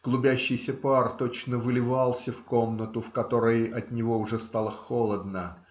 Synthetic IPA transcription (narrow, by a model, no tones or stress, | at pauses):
ɡ̥lˠʊbʲæɕːɪjsʲəpart̪ot͡ɕnəvɨlʲɪvɑlˠsʲəfko̞mnət̪ʊfkɐt̪o̞ɾəjɐt̪nʲɪvo̞ʊʐɛst̪ɑlˠəxolˠəd̪nə